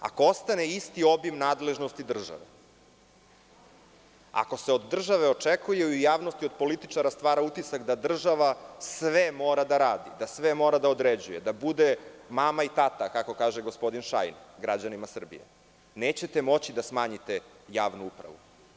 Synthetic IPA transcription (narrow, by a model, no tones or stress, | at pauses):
a̰koo̞st̪aneist̪io̞bimnaːd̪le̞ʒnost̪id̪r̩ʒa̰ʋe | a̰ko̞seo̞d̪ːr̩ʒaʋeo̞t͡ʂekujeijaːʋno̞st̪iod̪po̞lit̪it͡ʂaɾast̪ʋaːɾaut̪isakd̪ad̪r̩ʒaʋasʋemo̞ːɾad̪aɾaːd̪id̪asʋemo̞ːɾad̪aod̪ɾed͡ʑujed̪abud̪e̞mamait̪at̪akako̞kaːʒeɡospo̞d̪inʃa̰jnɡɾad͡ʑanimasr̩bḭjḛ | neːt͡ɕe̞t̪emo̞t͡ɕid̪asmaːɲit̪e̞ | jaːʋnuupɾa̰ʋṵ